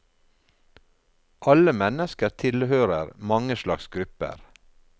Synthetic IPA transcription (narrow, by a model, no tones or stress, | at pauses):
ʔɑləmɛnəskəɾtʰɪlhøːɾəɾmɑŋəʃlɑksɡɾʉpə̰ɾ